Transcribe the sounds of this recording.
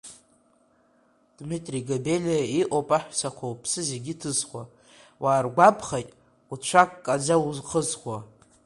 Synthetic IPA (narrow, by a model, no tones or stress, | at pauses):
d̥mitʼriɡabe̞lʲaiʔʷʼopʼaħʷᶣsakʷʰowpʰsɨzeɡʲitʰɨzχʷa | waːrɡʷabʰχajtʼ | ut͡ʃʷʰakːʼad͡zawuzqəzχʷwa